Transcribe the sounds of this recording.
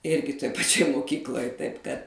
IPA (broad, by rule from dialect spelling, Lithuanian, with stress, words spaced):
ˈɪrʲɡʲɪ toːj pɐˈt͡ʃʲoːj moːˈkʲiːklˠoːj tɐɪp kɐt